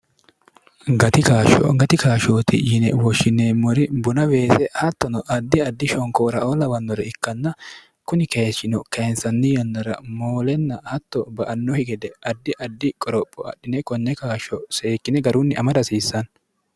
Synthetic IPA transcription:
ɡɐt̪ɪkaːʃɔ̰ɡɐt̪ɪkaːʃoːt̪ɪ̰jɪnɛwɔʃːɪnːeːmːɔɾɪbʊnɐbe̞ːsɛhɐt̪ːɔnɔʔɐd̪ːɪɐd̪ːɪʃɔŋkoːɾɐolɐwɐnːɔɾɛɪkːɐnːɐ | kʊnɪkeːʃːɪnɔkɐnsɐnːɪjɔnːɐɾɐ̰moːlɛnːɐhɐt̪ːɔbɐʔɐnːɔhɪɡɛd̪ɛʔɐd̪ːɪʔɐd̪ːɪkʼɔɾɔpʼːɔɐ̰ɗːɪnɛkɔnːɛkaːʃɔse̞ːkːɪnɛɡɐɾʊnːɪʔɐmɐd̪ɐsiːsːɐn

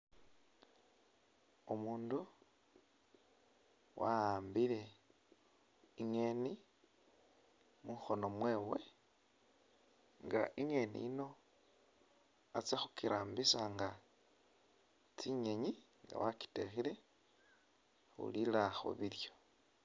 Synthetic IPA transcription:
omuːndu | wʔa̰aːmbile̞ | iŋeni | muxo̞no̞mwe̞ːwe̞ | ŋɡa̰ʔiŋe̞nḭino̞ | at͡sexukiɾʔaːmbisaŋɡa | t͡siɲeɲi | ŋɡa̰waki̥texile̞ | xṵlilaxo̰βiljo̞

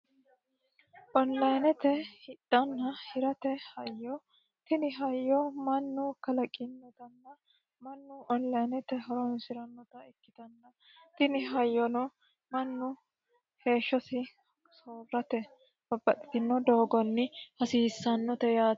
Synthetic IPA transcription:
ʔɔnlɐjnɛt̪ɛhɪt̪ʼːɐnːɐhɪɾɐt̪ɛhɐjːɔ | t̪ɪnɪɦɐjːɔmɐnːʊkɐlɐkʼːɪnːɔt̪ɐnːɐ | mɐnːʊʔɔnlɐjnɛt̪ɛɦɔɾɔnsɪɾɐnːɔt̪ɐɪkːɪd̪ɐnːɐ | t̪ɪnɪɦɐjːɔnɔ | mɐnːʊ | he̞ːʃːɔsɪ | soːɾɾɐt̪ɛ | bɐbːɐt̪ʼɪ̥t̪ɪnːɔd̪oːɡɔnːɪhɐsiːsːɐnːɔt̪ɛjaː

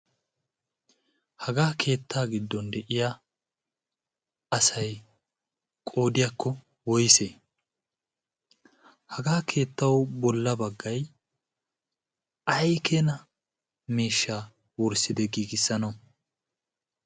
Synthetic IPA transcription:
hɐɡaːkʰe̞ːt̪ːaːɡɪd̪ːɔnd̪ɛʔɪja | ʔɐsɐj | kʼo̞ːd̪ɪjakːɔ | wɔjse | hɐɡaːkʰe̞ːt̪ːɐwbɔlːɐbɐɡːɐj | ʔɐjkʰeːnɐ | miːʃːaː | wɔɾsɪd̪ɛɡiːɡɪsːɐnɐw

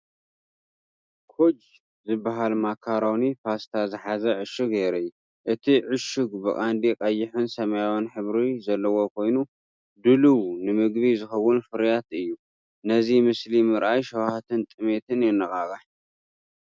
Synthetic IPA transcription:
kʰod͡ʒ | zɨbːaɦalmakʰːaɾawnifast̪ʰazɨħazɐʕɨʃɨɡeɾɐjːu | ʔɨt̪ʰiʕʊʃuɡbɨkʼand̪ikʼɐjːɪħunsɐmajawanħɨβɾizɐlːɐwo̞kʰo̞jnu | d̪ɨluwnɨmɨɡβizɨxɐwːʊnfɨɾjat̪ɨjːu | nɐzimɨslimɨɾʔajʃɐwhat̪ʰɨnt̪ʼɨme̞t̪ʰɨnjɛnːɐxʼaɣaħ

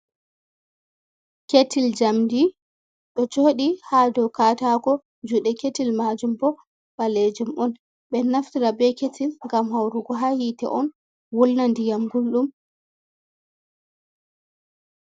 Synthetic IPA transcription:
ketild͡ʒamdi | ɗɔd͡ʒoːɗihadɔwkatakɔ | d͡ʒuɗɛketilmad͡ʒumbɔ | baled͡ʒumɔn | ɓɛnaftiɾabɛketʰilŋɡamɦawɾuɡɔɦajitɛ̰ʔɔn | wɔlnandijamɡulɗum

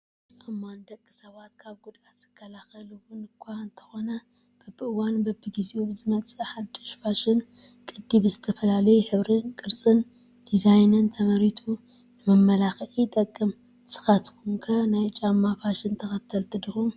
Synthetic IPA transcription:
t͡ʃʼʔamːand̪ɐkʼːɨ̥sɐβat̪kʰaβɡud̪at̪z̥ɨ̥kʰːɐlaxɐluwʊnɨkʷʰːaɨnt̪ʰɐ̥xo̞nɐ | b̥ɐbɨʔɨwanbɐbːiɡiziubzɨmɐt͡sʼɐħad̪ːoʃfaʃɪnkʼɨd̪ːibɨzɨt̪ʰɐfɐlalɐjuħɨβɾɨnkʼɨɾt͡sʼɨn | d̪̥izajnɨnt̪ʰɐmɐɾit̪ʰu | nɨmɐmːɐlaxʕit̪ʼɐkʼːɨm | sɨ̥xat̪kʰuŋkʰanajt͡ʃʼamːafaʃɪnt̪ʰɐxɐt̪ʰːɐlt̪ʰɨd̪ɨxum

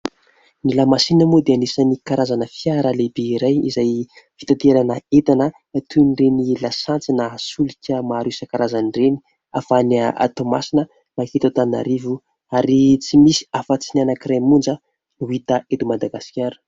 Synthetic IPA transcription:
nilamasinəmod̪eanisanikaɾazanəfijaɾəlebeiɾajizaj | fi̥t̪at̪eɾanəet̪anə | t̪unirenilasant͡sinasulikʲəmaɾusəkaɾazanireni̥ | afanaa̰t̪omasinə | maket̪at̪ana̰ɾivu | aɾit͡simisi̥afat͡sinanakiɾemund͡zə | nuit̪aʔet̪umad̪aɡasi̥kʲaɾu̥

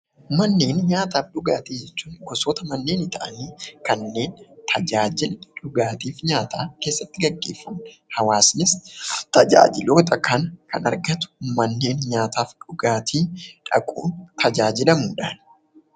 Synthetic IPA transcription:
mɐnːe̞ːnɲaːt̪aːfᶑʊɡaːt̪iːd͡ʒɛt͡ʃːuːnɡɔsoːt̪ɐmɐnːe̞ːnɪt̪ɐʔɐniːkɐnːe̞ːnt̪ʰɐd͡ʒaːd͡ʒɪlᶑʊɡaːt̪iːfɲaːt̪ʰaːke̞ːsːɐt̪ːɪɡɐɡːe̞ːfːɐmhɐwaːsnɪst̪ɐd͡ʒa̰ːd͡ʒɪloːt̪ʼɐkɐnkɐ̰nɐ̰ɾɡɐt̪ʊ̥mɐnːe̞ːnɲaːt̪aːfᶑʊɡaːt̪ʰiːᶑɐ̰kʼṵːnt̪ʰɐd͡ʒaːd͡ʒɪlɐmuːᶑaːn

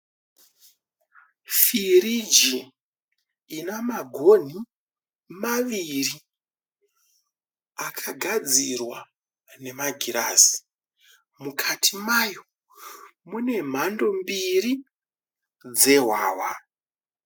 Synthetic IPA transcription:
firid͡ʒi | namaɡʱo̞n̤i | maʋiri | akʰaɡʱad͡zirwa | ne̞maɡʱiɾasi̥ | mukʰatʰimajo̞ | mune̞m̤ando̞mbiri | d͡ze̞ɦwaːwa

